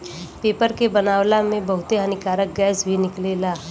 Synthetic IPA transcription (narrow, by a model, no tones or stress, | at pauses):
peːpəɾkebɐnaːwlamẽbɐɦʊt̪eɦənɪkaːɾək̚ɡɛːsbʱinɪkleːlaː